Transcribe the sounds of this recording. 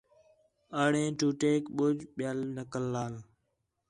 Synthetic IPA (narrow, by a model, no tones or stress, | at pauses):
əːɽẽːʈuːʈeːkɓʊd͡ʒɓjaːlnəkəlːaːl